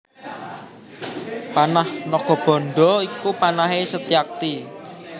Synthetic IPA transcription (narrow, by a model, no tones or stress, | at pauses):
panahnɔɡ̥ɔ̤b̥ɔ̤nɖɔikupanaɦesət̪iak̚t̪i